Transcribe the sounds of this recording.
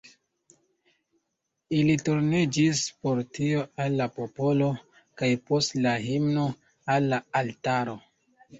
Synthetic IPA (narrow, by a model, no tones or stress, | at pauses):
ilituɾnid͡ʒispo̞ɾtio̞alːapo̞po̞lo̞ | kajpo̞stlaɦimno̞ | alːaaltaɾo̞